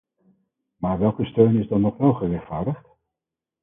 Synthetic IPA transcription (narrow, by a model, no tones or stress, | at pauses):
maːɹʋɛlˠkəstøɥnɪzdɑnɔχʋɛlˠχərɛχtfaːɹdəχt